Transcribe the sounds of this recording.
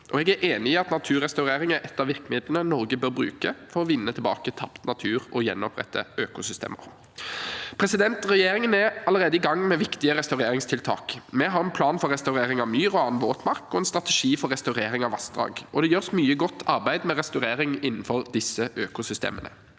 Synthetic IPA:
ʔɔɛɡæɾʔeːnɪɪɑt̪nɑt̪ʰʉːʁɛst̪ɑʉʁeːɾɪŋəʔɛt̪ːɑʋɪʁkmɪd̪lənənɔɾɡəbøːɾbɾʉ̰ːkəfɔɾɔʋɪnːət̪ʰɪlbɑ̰ːkət̪ʰɑpt̪nɑt̪ʰʉːɾɔjɛnːɔpʰʁɛ̰t̪ʰːə̰øːkʊsʏst̪ḛːmə̰ʁ | pʰɾɛsɪd̪ɛnt̪ʁɛjeːɾɪŋənæɾɑləɾeːd̪əɪɡɑŋːmɛʋɪkt̪ɪəɾɛst̪ɑʉʁeːɾɪŋst̪ʰɪlt̪ʰɑ̰ːkmɛɦɑɾɛnpʰlɑːnfɔɾɛst̪ɑʉɾeːɾɪŋɑʋmyːʁɔɑːnʋoːt̪mɑʁkɔɛnst̪ʁɑt̪ɛʂiːfɔɾɛst̪ɑʉɾeːɾɪŋɑʋɑsd̪ʁɑ̰ːɡɔd̪ɛjøːʁsmyːəɡɔt̪ʰːɑʁbæɪd̪mɛʁɛst̪ɑʉɾeːɾɪŋɪnn̩fɔɾd̪ɪsːəʔøːkʊsʏst̪ḛːmənə̰

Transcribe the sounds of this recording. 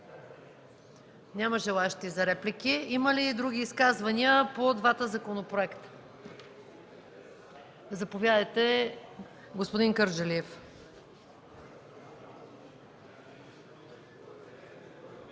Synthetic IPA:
nʲaməʒɛlˠaɛʃt̪izɐɾɛplikiiməlid̪ɾuɡ̟iːskazvɐniəpod̪vat̪əzɐkonopɾoɛkt̪ə̥ | zɐpovjad̪əjt̪ɛ | ɡospod̪iŋkəɾd͡ʒɐliɛf

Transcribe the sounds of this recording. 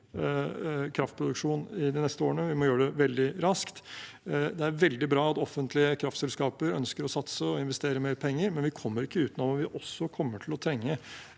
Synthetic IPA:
kʰɾɑft̪̚pʰɾʊd̪ʉkʂuːnɪd̪ɪnɛst̪əoːɾəɳəʋɪmɔjøːɖɛʋɛld̪ɪɾɑskt̪ | d̪ɛæɾʋɛld̪ɪbɾɑːɑt̪ɔfːənt̪ʰlɪəkʰɾɑft̪sɛlskɑːpəɾœ̰nskəɾɔsɑt̪səɔɪnʋɛst̪eːɾəmeːɾpʰɛŋːəɾmɛnʋɪkʰɔmːəɾɪkːəʉːt̪nɔʋɑʋɪʔɔsːɔkʰɔmːəʈʰɪlɔt̪ʰɾɛŋːə

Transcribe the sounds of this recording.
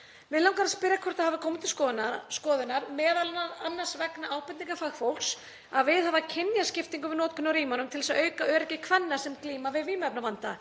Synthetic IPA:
mɪðlawŋkaɾaspɪɾjakʰɔɾ̥t̪ahavɪkʰɔːmɪt̪ʰɪlskɔnskɔːðʏnaɾmɛːðalnaɾanːḁsvɛknaʔaːwpɛnniŋkafaɣfowl̥ks | aðvɪðhavacʰɪnjascɪft̪iŋkʏvɪðnɔːt̪kʰʏnːaɾiːmanʏmt̪ʰɪlɛsaœːɥkaœːɾɛcɪkʰvɛnːḁsɛmkliːmavɪðviːmœp̚navant̪a

